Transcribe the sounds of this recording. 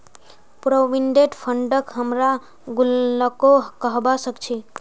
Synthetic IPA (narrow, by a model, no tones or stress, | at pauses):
pɾoʋiɳɖeɖpʰəɳɖəkɦəmɾa | ɡulːəkokəɦbasəkt͡ʃʰi